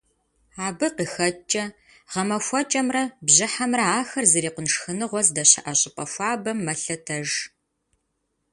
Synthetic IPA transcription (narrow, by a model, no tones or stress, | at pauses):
aːbɨqiːxɐt͡ʃʼɐ | ʁɐmɐfʷɔt͡ʃʼɐmrɐbʑɪħamrɐaːxɐrzɐɾiːqʷʊnʂxɨnɨʁʷɔzdɐɕɐ̰ʔɐɕʼɪpʼɐfʷɑːbɐmːɐɬɐtʰɐʒ